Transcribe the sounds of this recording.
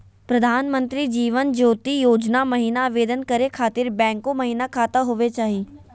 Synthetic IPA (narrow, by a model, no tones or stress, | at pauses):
pɾɐd̪ʱaːnmə̃nt̪ɾid͡ʒiːʋənd͡ʒoːt̪ijoːd͡ʒnamɐɦiːnaʋeːd̪ənkɐɾekʰaːt̪ɪɾbɛ̃ːŋkomɐɦiːnakʰaːt̪aɦoʋet͡ʃaːɦi